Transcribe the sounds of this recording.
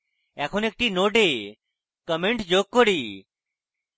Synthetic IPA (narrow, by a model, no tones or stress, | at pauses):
ɛːkʰonek̚ʈiːnoːɖe | kəmeɳʈd͡ʒoːkːoɽiː